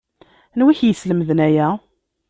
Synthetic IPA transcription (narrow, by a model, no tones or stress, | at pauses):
nwiçjəsləmðnæjæ